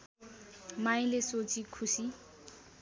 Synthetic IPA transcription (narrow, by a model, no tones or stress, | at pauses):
maj̃lesot͡sʰikʰusi